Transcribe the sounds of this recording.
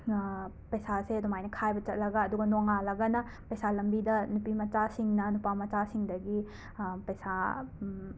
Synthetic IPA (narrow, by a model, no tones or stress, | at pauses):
pɐjsasedɔmajnɐkʰajbɐt͡ʃɐt̚lɐɡɐːduɡɐnoŋalɐɡɐnɐ | pɐjsalɐmbidɐnupimɐt͡ʃasiŋnɐnupamɐt͡ʃasiŋdɐɡi | pɐsa